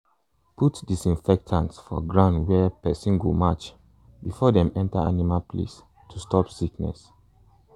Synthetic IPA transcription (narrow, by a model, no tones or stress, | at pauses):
putdisĩnfɛk̚tʰãnsfɔ̰ɡɹãʊ̃ndwɛpɛsĩnɡomat͡ʃ | bifɔdɛ̃mɛ̃ntaa̰nimalplḛs | tʰustɔpsiknɛ̰s